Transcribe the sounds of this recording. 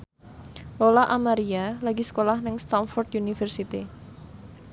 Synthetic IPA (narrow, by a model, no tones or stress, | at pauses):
lolaʔamaɾialaɡisə̥kolahnɪŋst̪anfɔrt̪junifɛrsit̪i